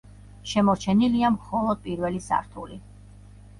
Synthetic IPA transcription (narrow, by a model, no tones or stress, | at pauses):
ʃɛmɔɾt͡ʃʰɛniliamχɔlˠɔd̪̚pʼiɾvɛlisa̰ɾt̪ʰuli